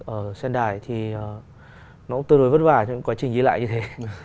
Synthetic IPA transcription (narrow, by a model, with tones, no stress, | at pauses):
ʔəː˧˩sɛ˧nɗaː˧˩jt̪ʰi˨˩əː˨˩ | nɔ˨˦ʔu˦˥ŋ͡mt̪ɨ˧no˨˧˦jvə˦˥t̚vaː˨˩t͡ɕɔ˧˦˥kwaː˨˦t͡ɕï˨˩zi˨˦la̰ː˧˨jɲɨ˧t̪ʰe˨˦